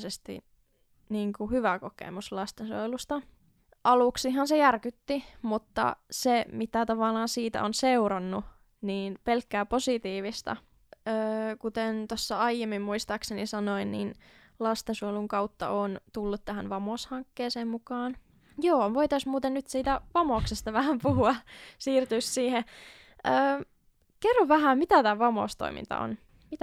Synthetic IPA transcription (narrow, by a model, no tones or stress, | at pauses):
sest̪ḭ | niːŋkuhyʋækokḛmuslɑst̪enso̰jlust̪ɑ | ʔɑluksiɦɑnsejærkyt̪ːimut̪ːɑ̰semit̪æt̪ɑʋɑlɑːnsiːt̪æ̰onseuɾɑnːu | niːnpelkːæːposit̪iːʋist̪ɑ̰ | øːkut̪ent̪osːɑɑijemːimmuist̪ɑksenisɑnoinnḭn | lɑst̪esuoluŋkɑwt̪ːɑ̰oːnt̪ulːut̪t̪æɦænʋɑmoːshɑŋkːeːseːmmukɑːn | joːʋoit̪ɑsmuːt̪ennyt̪siːt̪æʋɑmoːksest̪ɑʋæhæmpuhuɑsiːrt̪yːssiːhe | ʔəː | kerːoʋʋæhæmmit̪æt̪æːʋɑmo̰ːst̪o̰imḭnt̪ɑ̰o̰n | mit̪æ